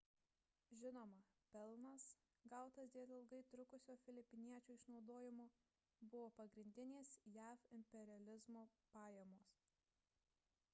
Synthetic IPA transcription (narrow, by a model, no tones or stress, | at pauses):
ʒʲɪnoːmɐpʲɛlˠnɐs | ɡɑˑʊt̪ɐsd̪ʲeːlʲˠɪlˠɡɐɪt̪ɾʊkʊsʲoːfʲɪlʲɪpʲɪnʲiɛt͡ʃʲuːɪʃnɒʊd̪oːjɪmoː | bʊʋoːpɐɡɾʲɪnʲd̪ʲɪnʲeːsjæːfɪmʲpʲɛɾʲɪɐlʲɪzmoːpɑːjɛmoːs